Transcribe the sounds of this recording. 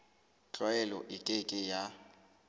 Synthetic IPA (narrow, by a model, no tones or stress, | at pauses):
t͡ɬʼɔɛlɔ̰ʔɪkʼekʼɪja